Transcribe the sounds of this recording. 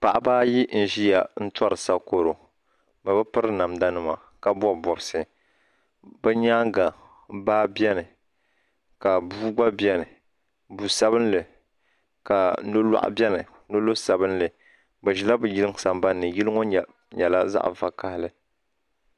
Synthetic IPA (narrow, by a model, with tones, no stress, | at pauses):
pa˨ʔa˨baː˦ji˦n̩˨ʒi˦ja˨n̩˦ta˦ɾɨ˨sa˦ko˦ɾo˨ | ba˨bɨ˦pɨ˦ɾɨ˦na˨mda˦nɨ˦ma˨ | ka˦bɔ˦˨bɔ˨bsɨ˨ | bɛ˦ɲaː˦ŋɡa˨ | baː˦bɛ˦nɨ˨ | ka˨buː˦ɡ͡ba˦bi˦ɛ˦nɨ˨ | bu˨sa˦bɨ˦n˦lɨ˨ | ka˨˦no˦la̰˦ʔa̰˦bɛ˦nɨ˨ | no˦lo˦sa˨bɨ˦nlɨ˨ | bɨ˨ʒi˨la˦bɨ˨ji˦lɨ˦ŋ˦˨sa˨mba˦nːɨ˨ji˦lɨ˦ŋɔ˦ɲ˨ | ɲɛ˨la˦za̰˦ʔva˨ka˦hɪ˦lɨ˨